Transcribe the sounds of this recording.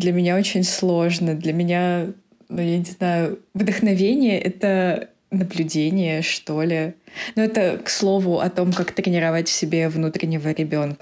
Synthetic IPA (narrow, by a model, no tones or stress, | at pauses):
d̪lʲəmʲɪnʲao̞t͡ɕɪnʲslˠo̞ʐnəd̪lʲəmʲɪnʲa | nujanʲɪznajʊvd̪əxnɐvʲenʲɪjəʔɛt̪ə | nəblʲʉdʲenʲɪjəʂt̪o̞lʲɪnuɛt̪əkslˠo̞vʊʔɐ̰t̪o̞mkakt̪ɾʲɪnʲɪɾɐvatʲfsʲɪbʲe̞vnut̪ɾʲɪnʲɪvəɾʲɪbʲo̞nkə